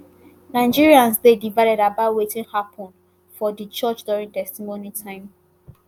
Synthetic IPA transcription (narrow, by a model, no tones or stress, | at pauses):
naɪd͡ʒiɹiãnsdedivaɪɾɛɾabawetĩnhapʰɔ̃n | fɔdət͡ʃɔt͡ʃduɹĩŋtɛstimonitʰãɪ̃m